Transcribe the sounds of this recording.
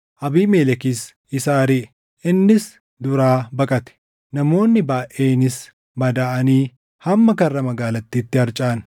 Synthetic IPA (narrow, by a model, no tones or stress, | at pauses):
ʔɐbiːmeːlɛkis | ɪsaːɾiʔ | ʔɪnːɪs | d̪ʊɾaːbɐkʼɐt̪ɛ̥ | nɐmo̞ːnːɪbaːʔeːnɪs | mɐd̪aːʔɐniː | hɐmːɐkɐrːɐmɐɡaːlɐt̪ːiːt̪ːɪhɐɾt͡ʃʼaːn